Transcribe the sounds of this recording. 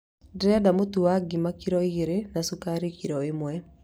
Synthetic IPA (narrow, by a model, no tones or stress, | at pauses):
dɾadamotuaɡimakiɾɔiɾenasukaɾikiɾɔemwɛ